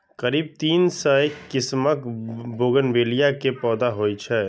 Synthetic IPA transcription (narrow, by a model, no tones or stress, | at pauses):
kəɾiːb̚t̪iːnsəekːɪsməkboːɡənbeːlijakepɔːd̪aɦoːit͡ʃʰɛ